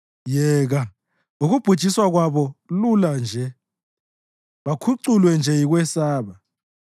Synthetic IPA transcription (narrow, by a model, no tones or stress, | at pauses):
jɛːɣ̬a | uɣub̥ʱud̥ʒ̥ʱiswaɣwaβɔluland͡ʒʱɛ | βakʰuǀulwɛnd͡ʒʱɛjiɣ̬wɛsaːβa